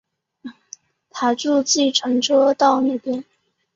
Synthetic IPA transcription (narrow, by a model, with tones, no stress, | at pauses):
t̪ʰa˥ʈ͡ʂu˥˧t͡ɕi˥˩ʈ͡ʂʰə˧˥ŋʈ͡ʂɔ˥t̪ɑ˥˧ʊne˥˩ɪpjɛ˥˩n